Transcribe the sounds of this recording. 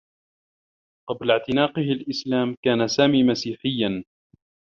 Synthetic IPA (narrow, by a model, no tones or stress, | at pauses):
qɑblaʕt̪ɪnaːqɪhɪlʔɪslaːmkaːnasaːmiːmasiːħɪjːan